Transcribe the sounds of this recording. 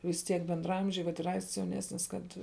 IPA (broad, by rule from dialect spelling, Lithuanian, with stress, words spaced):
ʋʲɪs ˈtʲiɛk bʲɛndrɐˈɐmʲʒʲɛɪ ʋɐt ɪr ˈɐɪsts jɛʊˈnʲæːsʲnʲɪs ˈkɐt